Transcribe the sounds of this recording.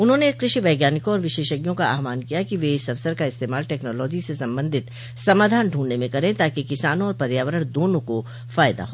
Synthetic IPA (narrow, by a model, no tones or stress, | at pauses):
ʊnɦõːnekɾɪʃiʋɛːɡjaːnɪkõɔːɾʋɪʃeːʃəɡjõkaa̰ːɦmaːnkijakiʋeɪsɐʋsəɾkaɪst̪eːmaːlʈɛːknɔːlɔːd͡ʒisesɐ̃mbə̃nd̪ʱɪt̪ | sɐmaːd̪ʱaːnɖʱuːɳnemẽkɐɾẽt̪aːkikɪsaːnõɔːɾpɐɾjaːʋəɾəɽ̃d̪oːnõko | faːjd̪a̰ɦoː